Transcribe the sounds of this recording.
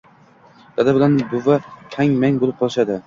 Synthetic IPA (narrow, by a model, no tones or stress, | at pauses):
d̪̥ad̪abɪlanbʊvat̪ʰaŋmaŋbolɪp̚qʰɒlˠɪʃad̪ɪ